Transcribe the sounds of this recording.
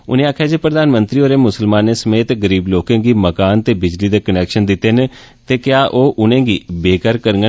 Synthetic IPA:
ʊ̰nẽːaːkʰjaːd͡ʒeːpɾəd̪aːnmənt̪ɾiːoːɾeːmʊsəlmãːnːeːsəmeːt̪ɡəɾiːbloːkẽːɡiːməkaːnt̪eːbɪd͡ʒliːd̪eːkənɛːkʃənd̪ɪt̪ːeːn | t̪eːkjaːʔoːʔʊnẽːɡiːbeːkəɾkəɾŋɡə

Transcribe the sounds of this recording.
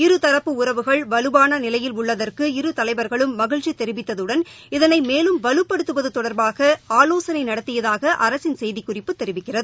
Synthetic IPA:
ɪɾɯt̪ɐɾɐpːɯʊrɐʋɯɣɐɭʋɐlɯʋaːnɐnɪlɐjɪlʊɭːɐðɐrkɯɪɾɯt̪ɐlɐɪbɐɾɣɐɭɯmːɐɣɪɻʈt͡ʃːit̪ɛɾɪʋɪt̪ːɐðɯɽɐn | ɪðɐnɐɪmeːlɯmʋɐlɯpːɐɽɯt̪ːɯʋɐðɯt̪ɔɽɐɾbaːɣɐaːloːsɐnɐɪnɐɽɐt̪ːɪjɐðaːɣɐʔɐɾɐsɪnsɛjðikːʊrɪpːɯt̪ːɛɾɪʋɪkːɪrɐðɯɯ

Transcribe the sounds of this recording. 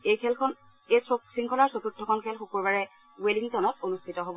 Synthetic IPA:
ekʰɛlkʰɔn | ejsosiŋkʰɔlaɹsotudʱːɔkʰɔnkʰɛlxokoɹbaɹɛ | weliŋtɔnɔt̚onustʰitɔɦobɔ

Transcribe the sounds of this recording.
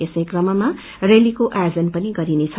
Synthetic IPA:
esʌjkrʌmʌma | relikoʔajd͡zʌnpʌniɡʌɾinet͡sʰʌ

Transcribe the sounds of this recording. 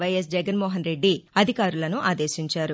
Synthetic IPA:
ʋɐjes̬d͡ʒɛɡɐnmɔːɦɐnɾe̞ɖːiɐd̪ʱikaːɾulɐnuʔaːd̪e̞ːʃiɲt͡ʃaːɾu

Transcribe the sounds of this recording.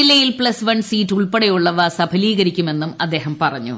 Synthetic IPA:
ilːɐjilpɭɐsʋɐɳsiːtːuɭpeɽɐjuɭːɐʋɐsɐbʱɐliːɣɐɾikʲːume̞nːumɐ̰d̪ːe̞ːɦɐmpɐrɐɲːṵ

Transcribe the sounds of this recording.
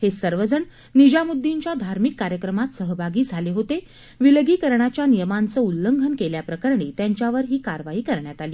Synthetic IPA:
hesəɾʋəd͡zəɳ | nid͡ʑamud̪ʱːiɲt͡ɕjad̪ʱaɾmikːaɾjəkɾəmat̪səɦəbʱaɡiːd͡zʱaleɦot̪e | ʋilɡiːkəɾɳat͡ɕjanijəmant͡səːulːəŋɡʱənkeljapɾəkəɾɳiːt̪jaɲt͡ɕjaʋəɾɦiːkaɾʋaiːkəɾɳjat̪aliː

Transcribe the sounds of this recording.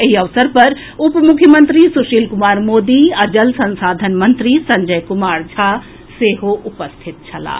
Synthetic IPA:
ɐɦiɐʋsəɾpɐɾ | ʊpmʊkʰjəmə̃nt̪ɾisʊʃiːlkʊmaːɾmoːd̪iɐd͡ʒɐlsɐ̃nsaːd̪ʱənmɐ̃nt̪ɾisɐ̃ɲd͡ʒəjkʊmaːɾd͡ʒʱaː | seːɦoʔʊpəst̪ʰɪt̪̚t͡ʃʰɐla̰ː

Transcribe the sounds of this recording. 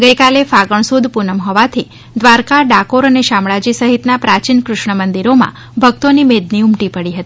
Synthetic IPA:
ɡəjkalefaɡəɳ̃sud̪punəmɦɔʋat̪ʰi | d̪ʋaɾkaɖakoɾəneʃamɭad͡ʒisəɦit̪napɾat͡ʃinkɾʊʃɳəmənd̪iɾomã̰ | bʱəɡ̚t̪onimed̪niʊmʈipəɽiɦət̪i

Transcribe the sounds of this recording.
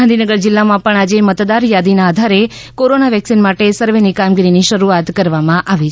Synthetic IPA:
ãnd̪ʱinəɡəɾd͡ʒɪlːamãpəɳad͡ʒemət̪d̪aɾjad̪inaːd̪ʱaɾe | koɾonaʋɛksinmaʈesəɾʋenikamɡiɾiniʃəɾuat̪kəɾʋamãʔaʋit͡ʃʰ

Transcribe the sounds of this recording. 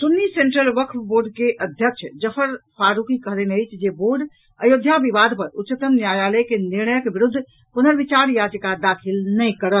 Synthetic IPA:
sunːiseɳʈɾəlʋəkʰʋboɾɖkeʔəd̪ʱjək̚t͡ʃʰd͡ʒəpʰəɾpʰaɾukikəɦlenəjt͡ʃʰd͡ʒeboɾɖ | əjod̪ʱjabiʋad̪ʱpəɾutːt͡ʃət̪əmnjajaləkeniɾnəjəkbiɾud̪ʱː | ponəɾʋit͡ʃaɾjad͡ʒkad̪akʰilnəjkəɾəl

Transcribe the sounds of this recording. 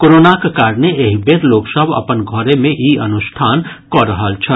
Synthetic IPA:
koːɾoːnakekaːɾneeːɦibeːɾloːksəbʱɐ̰pənɡʱɔɾemẽʔiɐnʊʃʈʰaːnkɔɾəɦəlt͡ʃʰɐ

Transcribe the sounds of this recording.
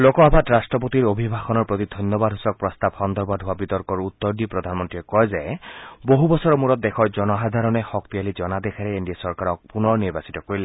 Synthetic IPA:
lokɔabatɹastɹɔp̬ot̪iɹobʱibʱaxɔnɔɹpot̪id̪ʱɔjnjɔbadʱɦusɔk̚pɹɔst̪abxɔnd̪ʱɔɹbadʱɦʊwabit̪ɔɹkɔɹut̪ːɔɹd̪ipɹɔdʱanmɔntɹiɛkɔjzɛboɦubɔsɔɹɔmuɹɔt̪̚dɛkʰɔɹzɔnɔɦad̪ʱaɹɔnɛxɔk̚t̪ializɔnad̪ɛkʰaɹɛindijasɔɹkaɹɔk̚punɔɹniɹbasi̥tɔkoɹilɛ

